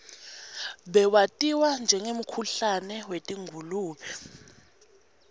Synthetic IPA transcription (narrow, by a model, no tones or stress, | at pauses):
ɓɛwatʼiwand͡ʒʱɛŋem̩kʰuɬanɛwetʼiŋʱuluːɓɛ